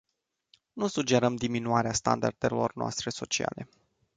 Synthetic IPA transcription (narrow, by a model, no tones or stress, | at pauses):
nusud͡ʒe̞ɾəmd̪iminuaɾeast̪a̰nd̪a̰rd̪̥elo̞̰rnoa̰st̪ɾe̞so̞t͡ʃia̰le̞